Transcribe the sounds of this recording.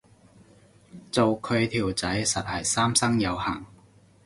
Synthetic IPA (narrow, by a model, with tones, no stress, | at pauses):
t͡so˨wkʰɵ˨˧ɥt̪ʰiː˨˩wt͡sɐ˨˥jsɐ˨t̚hɐ˨jsaː˥msɐ˥ŋjɐ˨˧wha̰ː˨˩ŋ